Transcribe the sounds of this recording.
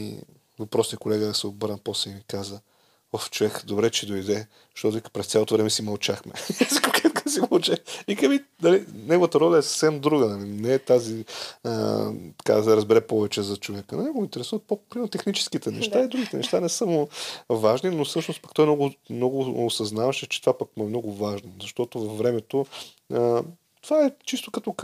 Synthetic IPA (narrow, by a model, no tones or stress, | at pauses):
ḭ | vɐpɾɔsniəkolɛɡəsɛobəɾəpɔsɛmikazə | oft͡ʃovɛkd̪obɾɛt͡ʃɛd̪oid̪ɛ | ʃt̪ɔt̪ovikə̥pɾɛst̪sʲalot̪ovɾɛmɛsimɐlˠt͡ʃaxmɛnzikkɛt̪kəsimɐlˠt͡ʃɛikəminɐlinɛɡovət̪əɾɔlʲəɛsə̥fsɛmd̪ɾuɡənɐlinɛːt̪aziə̰tt̪ɐ̥ka̰sɛɾəzbɛɾɛpɔvɛt͡ʃɛzɐt͡ʃovɛkənɐnɛɡomint̪ɛɾɛsuvət̪̚poppɾimɛɾnot̪ɛxnit͡ʃɛ̥skit̪ɛnɛ̰ʃt̪aid̪ɾuɡit̪ɛnɛʃt̪anɛsamovaʒninofsɤʃnos̚pɐkt̪ɔjnɔɡʊmnɔɡʊosɐznavɐʃɛt͡ʃɛ̥t̪ovapɐkmuɛmnɔɡʊvaʒnozɐʃt̪ɔt̪ovɐfvɾɛmɛt̪o | ə | t̪ovaɛt͡ʃist̪okɐt̪ɔk